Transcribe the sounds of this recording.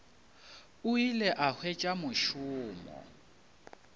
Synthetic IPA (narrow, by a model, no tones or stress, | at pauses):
ʊilɛʔahwɛt͡ʃʼamʊʃʊːmɔ̰